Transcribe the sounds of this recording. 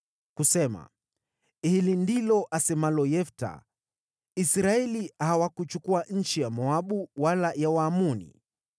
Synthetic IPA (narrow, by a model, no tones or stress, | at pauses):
kusɛma̰ | hilindilɔʔasɛmalɔjɛfta̰ | isɾaɛliahawakut͡ʃukuaɲ̩t͡ʃijamɔaɓuwalajawaːmunḭ